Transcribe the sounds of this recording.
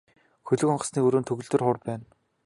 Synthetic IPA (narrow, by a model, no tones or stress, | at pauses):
xɵɮɵ̆kɔɴɢə̆sniːɵɾoːnt̪ʰɵɣɵ̆ɮt̪ɵ̆rχʊrpæːn